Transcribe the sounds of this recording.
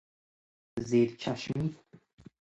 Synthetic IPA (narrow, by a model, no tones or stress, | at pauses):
zeɾt͡ʃʰaʃmi